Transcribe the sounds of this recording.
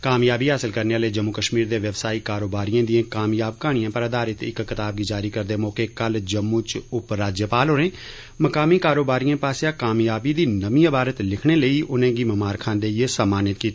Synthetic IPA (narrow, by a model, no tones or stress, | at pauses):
kaːmjaːbiːɦaːsɪlkəɾneːaːləid͡ʒəmːuːkəʃmiːɾd̪eːʋɛbsaːiːkaːɾoːbaːɾijãːd̪ɪãːkaːmjaːbkaːɽ̃ɪjãːpəɾəd̪aːɾɪt̪ɪ̰kːɪt̪aːb̚ɡiːd͡ʒaːɾiːkəɾd̪eːmɔːkeːkəld͡ʒəmːũːt͡ʃʊpɾaːd͡ʒjəpaːlɦoːɾẽː | məkaːmiːkaːɾoːbaːɾijãːpaːseaːkaːmjaːbiːd̪iːnəmĩːəbaːɾət̪lɪkʰɽ̃eːləiːʔʊnẽːɡiːməmaːɾkʰãːnd̪eːesəmaːnɪt̪kiːt̪ː